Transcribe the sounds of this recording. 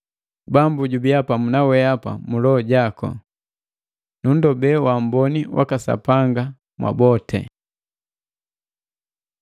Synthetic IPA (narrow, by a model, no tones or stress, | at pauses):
bambuɟubiapamunawɛapa̰mulɔɔɟakɔ̰ | nun̩dɔbɛwambɔniwʔa̰kasa̰paŋɡa | mwʔa̰bɔtʰɛ̰